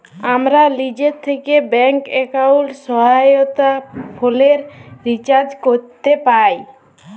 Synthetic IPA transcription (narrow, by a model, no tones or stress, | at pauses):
amɾalid͡ʑeɾt̪ʰːekebɛŋkekawʈsɔɦajot̪apʰoleɾɾit͡ɕaɾd͡ʑkoɾt̪epaj